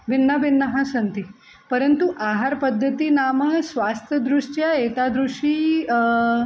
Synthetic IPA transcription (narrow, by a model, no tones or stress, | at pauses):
ʋinːəʋinːəɦãsənt̪i | pəɾənt̪uʔaɦaɾpəd̪ʱːət̪iːnaməsʋast̪ʰjəd̪ɾuʂʈjaet̪ad̪ɾuʂiː